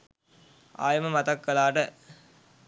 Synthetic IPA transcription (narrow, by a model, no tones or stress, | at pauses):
a̰ːjɐmɐmɐt̪ɐkːɐlaːʈə